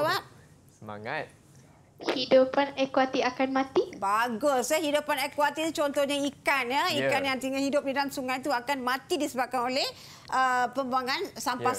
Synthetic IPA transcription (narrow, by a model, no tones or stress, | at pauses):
bap̚ | əa̰ŋat̪̚ | hidupanɛkwat̪iakanmãt̪ibaɡʊsəhidupanɛkwat̪it̪ut͡ʃɔnt̪ɔhɲaikanjəikanjaŋt̪iŋahidʊp̚didansuŋajt̪uakanmãt̪idisəbap̚kanolɛh | ʔəpəmbuaŋansampa